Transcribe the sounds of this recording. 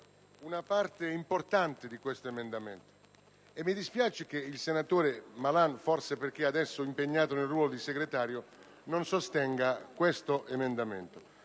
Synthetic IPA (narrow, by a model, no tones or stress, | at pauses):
unapart̪eimport̪ant̪ɪd̪ikwest̪oemend̪ament̪o̥ | emːid̪ispjaːt͡ʃek̟eilsenat̪oːɾemalanfɔrseperk̟iad̪ɛsːoimpeɲːaːt̪onelrwɔːlod̪iseɡɾet̪aːɾjo | nonsost̪ɛŋɡakwest̪oʔemend̪amɛ̰nt̪o